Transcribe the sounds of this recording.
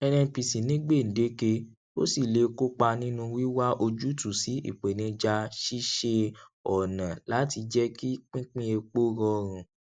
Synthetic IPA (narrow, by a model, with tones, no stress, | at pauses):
ɛ˧nɛ̃˧pi˨si˨nĩ˨˦ɡ͡be˦˨n̩˨de˨˦ke˧ | o̰˦si˦˨le˧ko˦k͡pa˧nĩ˦nũ˧wi˦wa˦ʔo˧d͡ʒu˦tu˨si˨˦ḭ˦˨k͡pe˨nĩ˧d͡ʒa˧ʃi˦ʃe˧ɔ˨nã˨la˨˦ti˧d͡ʒɛ˦ki˦k͡pĩ˦k͡pĩ˦e˧k͡po˦ɾɔ˧ɾ̃ũ˨